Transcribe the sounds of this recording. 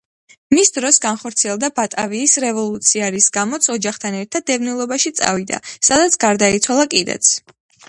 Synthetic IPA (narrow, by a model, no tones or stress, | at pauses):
misd̪ɾɔsɡanχɔɾt̪sʰiɛlˠd̪abat̪ʼaviːsɾɛvɔlˠut̪sʰiaɾisɡamɔt̪sʰɔd͡ʒaχt̪ʰanɛɾt̪ʰad̪̚ːɛvnilˠɔbaʃit̪sʼa̰vid̪a̰sad̪at̪sʰɡaɾd̪ait̪sʰwalˠakʼid̪ɛ̰t̪sʰ